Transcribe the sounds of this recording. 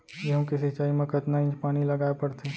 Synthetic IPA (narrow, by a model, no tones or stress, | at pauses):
jeɦõkesɪt͡ʃaːimẽkɐt̪naɪ̃d͡ʒpaːnilɐɡaːepɐɽt̪e